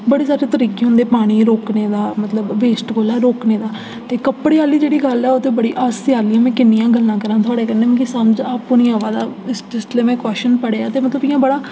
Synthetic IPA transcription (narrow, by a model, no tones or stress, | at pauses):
bəɽeːsaːɾeːt̪əɾiːkeːɦʊ̃nd̪eːpaːɽ̃iːɾoːkneːd̪aːmət̪ləbʋeːsʈkoːlɛːɾoːkneːd̪aː | t̪eːkəpɽeːaːliːd͡ʒeːɽiːɡəlɛːot̪eːbəɽiːʔaːsɪjaːliːɛ̃ːmɛ̃ːkɪnːijãːɡəlːãːkəɾãːt̪ʰʊaːɽeːkɛ̃ːneːmẽkisəmd͡ʒaːpʊnĩːãːʋaːd̪aːɪsʈɪsʈleːmɛ̃ːkɛːʃənpəɽeːaːt̪eːmət̪ləbɪjãːbəɽaː